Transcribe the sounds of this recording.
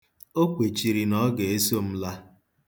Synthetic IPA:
o˦k͡pe˨t͡ʃi˨ɾi˨nɔ˦ɡe˨e˦so˦˨m̩˦la˦

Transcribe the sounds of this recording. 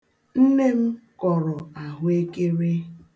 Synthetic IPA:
n̩˦ne˦m̩˦kɔ˨ɾɔ˨a˨ɦʊ˦e˦ke˦ɾe˦

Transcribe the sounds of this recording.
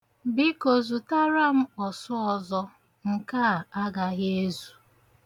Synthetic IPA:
bɪ˦ko˨zu˨ta˦ɾa˦m̩˦ɔ˨sɔ˦ɔ˨zɔ˦ | ŋ̩˨ka˦˨a˦ɡa˨ɣe˦zu˨

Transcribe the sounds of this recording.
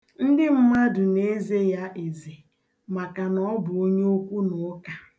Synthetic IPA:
n̩˦dɪ˦m̩˦ma˦dʊ˨ne˦ze˦ja˦ʔe˨ze˨ | ma˨ka˨nɔ˦bʊ˨o˦ɲe˦o˦kʷu˦nʊ˨˦ka˨

